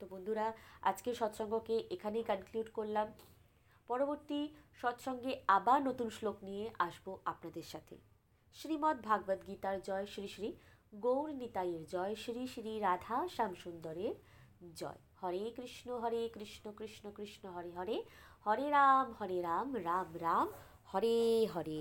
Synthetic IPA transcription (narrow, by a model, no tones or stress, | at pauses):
t̪obond̪ʱuɾaa̰d͡ʑkeɾʃɔt̪ʃɔŋɡokeʔekʰanejkənkljuɖkoɾlam | pɔɾoboɾt̪iʃɔt̪ʃɔŋɡeabaɾnot̪unʃloknijeʔaʃboapnad̪eɾʃat̪ʰḛ | ʃɾimɔt̪̚bʱaɡbad̪ɡit̪aɾd͡ʑɔeʃɾiʃɾi | ɡowɾnit̪aiɾd͡ʑɔeʃɾiʃɾiɾad̪ʱaʃamʃund̪oɾeɾ | d͡ʑɔ̰ehɔɾekɾiʃnoɦɔɾekɾiʃnokɾiʃnokɾiʃnoɦɔɾeɦɔɾehɔɾeɾamhɔɾeɾamɾamɾam | hɔɾeɦɔɾe